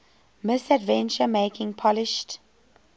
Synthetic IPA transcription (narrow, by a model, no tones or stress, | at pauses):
mɪsədvɛ̃nt͡ʃəmeɪkɪ̃ŋpʰɔlɪʃt